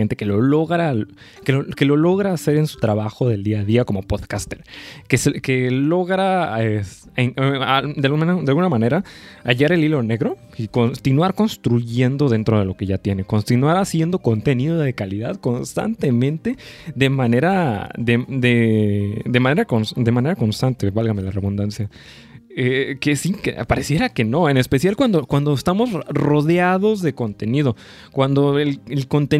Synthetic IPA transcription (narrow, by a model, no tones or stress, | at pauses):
ent̪e̞ke̞lo̞loɣɾa | keloke̞lo̞lo̞ɣɾaːse̞ɾe̞nsu̥t̪ɾaβaxo̞ðe̞ld̪iaðiako̞mo̞poðkast̪eɾkeseke̞lo̞ɣɾaes | ead̪eald̪ealɣunamãne̞ɾaaʝaɾe̞lilo̞ne̞ɣɾo̞ | ikont̪inwaɾko̞nst̪ɾuʝe̞nd̪o̞ðe̞nt̪ɾo̞ð̞e̞lo̞ke̞ʝat̪je̞ne̞ko̞nt̪inwaɾasje̞nd̪o̞ko̞nt̪e̞niðo̞ðe̞kaliðaðko̞nst̪a̰nt̪e̞mẽnt̪e̞ðe̞mane̞ɾaðed̪e̞ | d̪e̞mãne̞ɾakonsd̪e̞mãne̞ɾako̞nst̪ant̪e̞βalɣame̞lare̞βund̪ansja | ekesikḛpaɾe̞sjeɾake̞no̞ene̞spe̞sjalkwand̪o̞kwand̪o̞est̪amo̞zro̞ðeaðo̞zðe̞ko̞nt̪e̞niðo̞ | kwand̪o̞elelko̞nt̪e